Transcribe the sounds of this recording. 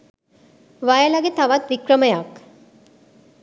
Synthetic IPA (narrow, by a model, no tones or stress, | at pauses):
ʋɐjɐlɐɡet̪ɐʋɐt̪ʋikɾɐmɐjak